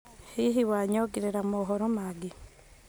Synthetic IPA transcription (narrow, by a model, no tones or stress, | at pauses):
hiɦiwaɲoɡiɾeɾamoɦoɾomaɡi